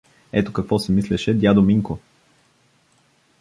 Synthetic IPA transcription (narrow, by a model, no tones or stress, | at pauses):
ɛt̪okɐkvɔsɛmislɛʃɛd̪ʲjad̪omiŋko